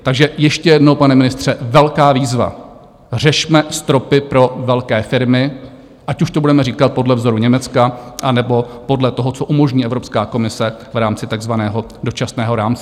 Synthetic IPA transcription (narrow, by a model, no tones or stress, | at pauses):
t̪aɡʒɛjɛʃcɛjɛdnowpanɛmɪnɪst̪r̝̥ɛvɛlkaːviːzva̰ | r̝ɛʃmɛst̪ɾo̞pɪpɾo̞vɛlkɛːfɪɾmɪ | ʔacuʃt̪obudɛmɛɾiːkat̪̚podlɛvzo̞ɾuɲɛmɛt͡skaʔanɛbo̞po̞dlɛt̪o̞ɦot͡soʔumo̞ʒɲiːʔɛvɾopskaːko̞mɪsɛvɾaːmt͡sɪt̪aɡzvanɛːɦo̞ | do̞t͡ʃasnɛːɦo̞ɾaːmt͡sɛ